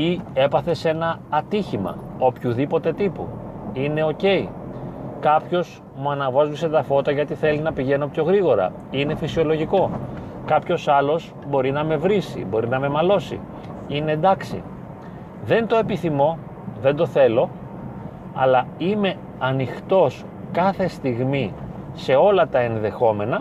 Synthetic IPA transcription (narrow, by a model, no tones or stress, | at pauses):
ie̞pɐθe̞se̞nɐːt̪içimɐ̰o̞pçuðipo̞t̪e̞t̪ipṵine̞o̞ce̞i | kɐpço̞z | muɐnɐvozvise̞t̪ɐfo̞t̪ɐʝɐt̪iθe̞linɐpiʝe̞no̞pço̞ɣɾiɣo̞ɾɐ̰ | ine̞fisio̞lo̞ʝiko̞ | kɐpço̞sɐlo̞z | bo̞ɾinɐme̞vɾisḭbo̞ɾinɐme̞mɐlo̞sḭ | ine̞nd̪ɐksḭ | ðe̞nt̪o̞e̞piθimo̞ | ðe̞nd̪o̞θe̞lo̞ | ɐ̰lɐime̞ | ɐnixt̪o̞s | kɐθe̞st̪iɣmi | se̞o̞lɐt̪ɐe̞nðe̞xo̞me̞nɐ